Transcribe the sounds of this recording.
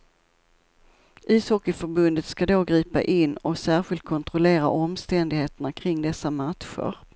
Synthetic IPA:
ʔiːshɔkːɪfœɾbɵnd̪ət̪skad̪oːɡɾiːpa̰ʔɪnːɔsæːɾɧɪlt̪̚kʰɔnt̪ɾɔleːɾa̰ʔɔmst̪ɛnd̪ɪɡheːt̪əɳakʰɾɪŋːd̪ɛsːamat̪ɧə̰ɾ

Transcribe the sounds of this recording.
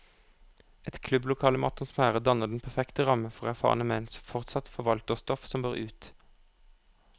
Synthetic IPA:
ɛt̪kʰlʉblʊkʰɑːləmɑt̪ʊnsmæːʁəd̪ɑnəʁd̪n̩pʰæʁfɛkt̪əʁɑməfɔʁæʁfɑ̰ːʁnəmɛnsɔfɔʁt̪sɑt̪fɔʁʋɑlt̪əʁst̪ɔfsɔmbøːʁʉːt̪

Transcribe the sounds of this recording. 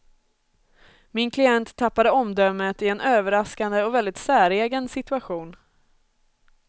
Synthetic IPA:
mɪnkʰlɪɛnt̪ʰːapːad̪əɔmd̪œmːət̪ɪɛnøːvəɾaskand̪əɔvɛld̪ɪt̪sæːɾeːɡənsɪt̪ɵaɧuːn

